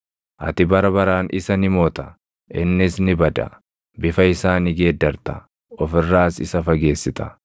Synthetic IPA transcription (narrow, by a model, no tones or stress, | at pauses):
ʔɐt̪ɪbɐɾɐbɐɾaːnʔɪsɐnɪmoːt̪ɐ̥ | ʔɪnːɪsnɪbɐd̪ɐ̰ | bɪfɐɪsaːnɪɡeːd̪ːɐɾt̪ɐ | ɔfɪrːaːsɪ̰sɐfɐɡe̞ːsːɪt̪ɐ̥